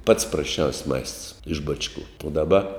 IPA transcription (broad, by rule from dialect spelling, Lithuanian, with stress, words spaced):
pɐts prɐsʲˈt͡ʃʲɛʊsʲ mɐɪsts ɪʃ ˈbɑːt͡ʃˌkʊ ʊ dɐˈbɐ